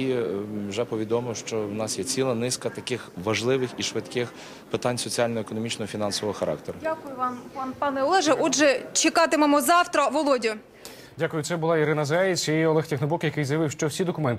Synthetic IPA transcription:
iwʒɛpɔʋʲid̪ɔmɪwʃt͡ʃɔwnɑsjɛt͡sʲilˠɐnɪskɐt̪ɐkɪxʋɐʒlˠɪʋɪxiʃʋɪt̪kɪx | pɪt̪ɑnʲsɔt͡sʲialʲnɔekɔnɔmʲit͡ʃnɔɔfʲinɑnsɔʋɔɦɔxɐɾɑ̰k̚t̪eɾʊdʲakʊjʊʋɑmɑpɑnɛɔlˠɛʒɛʔɔdʒɛt͡ʃɪkɑt̪ɪmɔmɔzɑwt̪ɾɐʋɔlˠɔdʲʊ | dʲakʊjʊt̪sɛbʊlˠɑiɾɪnɐzɛjɪt͡sʲɐɔlˠɛxtʲixnɔbɔkjɐkɪjzjɐʋɪwʃt͡ʃɔwsʲid̪ɔkʊmɛnt̪

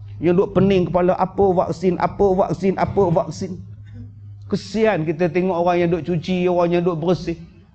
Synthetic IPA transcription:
ɲadʊʔpənɪŋkəpaləʔapəva̰ksɪnʔa̰pəva̰ksɪnʔapəvak̚sɪn | kəsiankit̪ət̪eŋɔʔoɣaŋjadʊʔt͡ʃut͡ʃioɣaŋjaduʔbəɾəsɪh

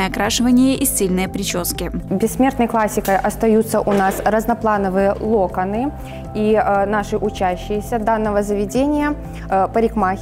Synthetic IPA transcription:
jəɐkɾaʂɨvənʲɪjəʔisʲilʲnɨjəpɾʲɪt͡ɕoskʲɪbʲɪsːmʲe̞rt̪nəjlˠasʲɪkəjʔɐst̪ɐjut̪sːəʔʊnasrəznɐplˠanəvɨjəlˠokənɨ | inaʂɨʔʊt͡ɕæɕːɪjəsʲəd̪anːəvəzəvʲɪdʲenʲɪjə | pəɾʲɪkma

